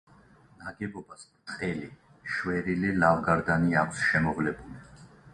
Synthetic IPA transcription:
naɡɛbɔbaspt̪ʼqʼɛli | ʃwɛɾililavɡaɾd̪aniakʷʰsʃɛmɔvlɛbuli

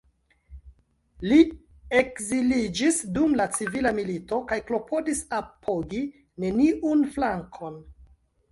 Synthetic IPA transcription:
li | e̞kzilid͡ʒisdumlat͡sivilamilito̞kajklo̞pʰo̞disapʰoɡi | ne̞niʔunflaŋkʰo̞n

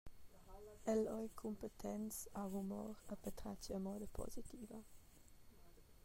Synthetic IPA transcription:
ɛlɔjkʰumpət̪ʰɛnt͡savumɔ̰ɾəpət̪ɾat͡ʃəmɔːd̪əpʰɔ̰zit̪iːvə

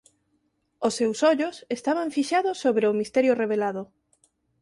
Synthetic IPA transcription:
osːewsɔʎosest̪aβ̞aɱfiʃaðʊsːoβɾeʊmist̪ɛɾjʊreβelaðʊ

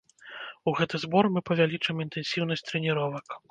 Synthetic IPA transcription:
uɣɛt̪ɨzbɔrmɨpɐvʲalʲit͡ʂɐmint̪ɛnsʲiwn̪ɐsʲt̪ɾɛnʲiɾɔvɐk

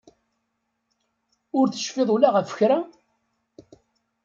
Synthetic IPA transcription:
ʊɾθə̥ʃfɪðˤulaʁəfə̥çɾa

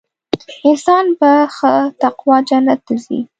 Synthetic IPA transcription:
ɪnsɑnbaxət̪aqwɑd͡ʒanat̪zḭ

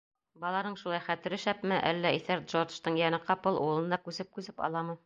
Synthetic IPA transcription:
bɒlˠɑnɤɴʃulˠɑjχæt̪ɘ̆ɾɘʃæpmɘʔæ̰lːæiθæɾd̪ʒoʃt̪ɤɴjænɘqɑpɤlˠʔulˠɤ̆nd̪ɑkʉzɘp̚kʉzɘpɑ̰lˠɑmɤ

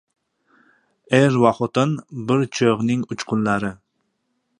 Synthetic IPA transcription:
eɾwaχot̪ɨnbɪɾt͡ʃʰøʁnɪŋʊt͡ʃqʰʊnlaɾɪ

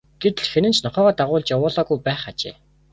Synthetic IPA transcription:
ɡ̥et̪ɘ̆ɮxenɘ̆nt͡ɕʰnɔχœːʁɔːt̪aʁʊːɮt͡ɕjawʊːɮɔːɣujpæːχat͡ɕḛː

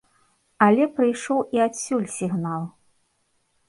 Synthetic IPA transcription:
ɐlʲɛpɾɨjʂɔwiasʲːulʲsʲiɣnalˠ

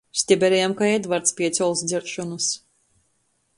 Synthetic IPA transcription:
sʲt̪ʲɛbʲɛɾʲɛjamkaɛd̪vaɾt̪spʲiɛt̪sɔlˠsd̪zʲɛɾʃɔnus

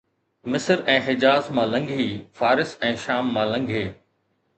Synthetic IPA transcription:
mɪsəɾɛ̃ːɦɪd͡ʑaːzmãːlɐ̃ŋɡʱiːfaːɾɪsɛ̃ːʃaːmːãlɐ̃ŋɡʱeː

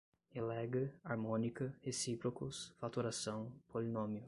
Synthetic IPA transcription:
elɛɡɐaɾmõnikɐhesipɾokʊsfat̪uɾasɐ̃w̃pʰolinõmiʊ

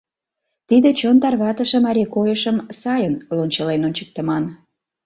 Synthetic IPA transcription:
t̪id̪et͡ɕont̪ɑrβɑt̪əʃə̆mɑɾʲekojəʃəmsɑjənlonʲt͡ɕəlenonʲt͡ɕə̥k̚t̪əmɑn

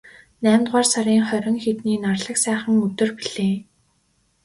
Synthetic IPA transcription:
næːmt̪ʁaːrsaɾiːŋχœɾʲɪ̆ŋxet̪niːnarɮə̆ksæːχə̆ŋɵt̪ɵ̆rpiɮ̥eː

